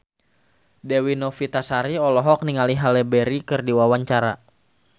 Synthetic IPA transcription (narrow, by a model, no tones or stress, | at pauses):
dɛwinɔfit̪asaɾiɔlɔɦɔk̚niŋaliɦalɛbɛɾikɨrdiwawaɲt͡ʃaɾa